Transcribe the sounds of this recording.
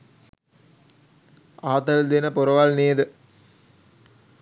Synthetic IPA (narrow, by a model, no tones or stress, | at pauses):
aːt̪əld̪enəpuɾəʋalneːd̪ə